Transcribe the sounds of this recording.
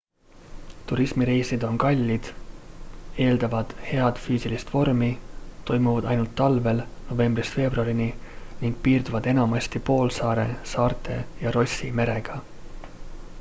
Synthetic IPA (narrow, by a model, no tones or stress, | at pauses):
t̪uɾismiɾejsid̪̥o̞nkɑlʲːid̪̥ | e̞ːld̪̥ɑvɑd̪̥he̞ɑd̪̥fyːsilist̪vo̞rmit̪o̞jmuvɑd̪ɑ̰jnult̪ːɑlve̞lno̞ve̞mbrist̪fe̞ːbruɑɾininiŋɡ̥̚piːrd̪uvɑd̪e̞nɑmɑst̪ipo̞ːlsɑːɾe̞sɑːrt̪ˑe̞̰jɑɾo̞sʲime̞ɾe̞ɡ̥ɑ